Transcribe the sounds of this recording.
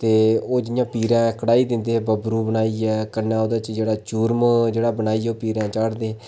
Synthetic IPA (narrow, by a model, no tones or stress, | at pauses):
t̪eːoːd͡ʒɪjãːpiːɾãːkəɽaːiːd̪ɪ̃nd̪eːbəbɾuːbənaːiɛːkənːãːoːd̪aːt͡ʃd͡ʒeːɽaːt͡ʃuːɾmd͡ʒeːɽaːbənaːiːɛːoːpiːɾãːt͡ʃaːɽd̪eː